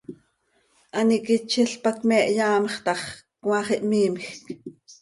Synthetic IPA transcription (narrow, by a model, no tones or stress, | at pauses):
ʔɑnikit͡ʃʰiɬpɑkmɛʔjɑːmχt̪ɑχkwɑχiʔmiːmxk